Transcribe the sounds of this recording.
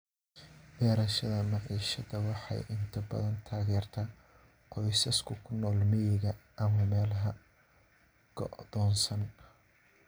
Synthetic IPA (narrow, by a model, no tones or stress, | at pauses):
bɛːɾɐʃɐðɐmɑʕḭːʃɐðɐwɑħɑ̰jʔɪnt̪ʰɐbɐ̰ðɐnt̪ʰaːɣɛːrt̪ʰɐː | qɔjsɐskʰʊkʰʊnɔːlmɪjɪɣɐʔɐmɐmɛːlɐɦɐ | ɡ̥ɔ̰ðɔːnsɐn